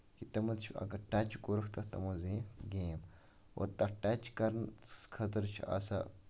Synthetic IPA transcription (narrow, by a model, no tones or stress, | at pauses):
kit̪ɐmɐt̪t͡ʃʰiɐ̰ɡɐɾʈat͡ʃkoɾɐkʰt̪ɐt̪ɐmuziĩɡeːm | o̰ːɾt̪ɐʈɐt͡ʃkɐɾnkʰɐt̪ɐɾt͡ʃʰiɐ̰sa̰